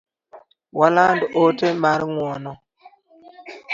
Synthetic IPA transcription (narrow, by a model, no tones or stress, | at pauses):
walandotemaɾŋwɔnɔ